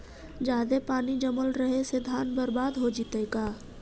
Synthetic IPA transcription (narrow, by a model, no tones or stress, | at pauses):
d͡ʒaːd̪epaːnid͡ʒəməlɾəɦesed̪ʱaːnbəɾbaːd̪ɦod͡ʒit̪əkaː